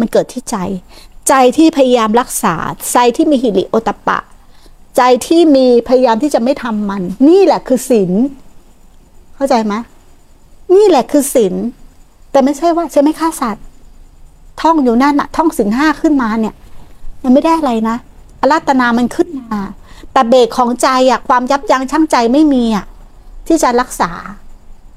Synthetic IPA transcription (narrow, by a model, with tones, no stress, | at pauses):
ma˧nkɤː˨˩t̪ʰːiː˥˩t͡ɕa˧jt͡ɕa˧jt̪ʰiː˥˩pʰa˧ja˧jaː˧mɾa˦˥k̚sa̰ː˩˦t͡ɕa˧jt̪ʰiː˥˩miː˧hi˨˩li˦ʔʔoː˧t̪ːa˧pa̰˨˩ʔt͡ɕa˧jt̪ʰiː˥˩miː˧pʰa˧ja˧jaː˧mt̪ʰiː˥˩t͡ɕa˨˩ʔma˥˩jt̪ʰa˧mːa˧nːiː˥˩lɛ˨˩kʰɯː˧si˩˦n | kʰa˥˩wt͡ɕa˧jma˦˥ | niː˥˩lɛ˨˩kʰɯː˧si˨˩˦n | t̪ɛː˨˩ma˥˩jt͡ɕʰa˥˩jwaː˥˩t͡ɕʰa˧˥˩jma˥˩kʰaː˥˩sa˨˩t̪̚ | ɔ˥˩ŋjuː˨˩˦na˥˩nʔa̰˨˩t̪ʰɔ˥˩ŋsi˨˩˦nɦaː˥˩kʰɯ˥˩nmaː˧ni˦˥˩ɐma˧nma˥˩jda˥˩jʔa˨˧ɾa˧jna˦˥ʔa˧laː˦˥˩t̪ːa˧naː˧ma˧nkʰɯ˥˩nmaː˧t̪ɛː˨˩beː˨˩kkʰːɔː˩˦ŋt͡ɕa˧jʔa˨˩kʰwaː˧mja˦˥p̚ja˧ŋt͡ɕʰa˥˩ŋt͡ɕa˧jma˥˩jmiː˧ʔa˨˩ | t̪ʰiː˥˩t͡ɕa˨ɾa˦˥k̚saː˩˦